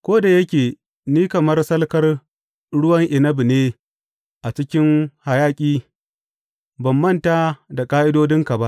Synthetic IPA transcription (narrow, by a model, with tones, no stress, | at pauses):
kʷoː˦da˨jɐ˦kʲeː˨ | niː˦kɐ˨mɐ˦rsɐ˦lkɐ˦r | ɽʊ˦wɐ˦ŋʔɪ˨nɐ˦bi˨neː˦ | ʔa˨t͡ʃɪ˦kʲɪ˦ŋha˨jaː˦kʲʼiː˦ | bɐ˨mːɐ˦˨ntaː˦da˨kʼaː˦ʔɪ˦doː˦dɪ˦ŋka˨ba˦ʔ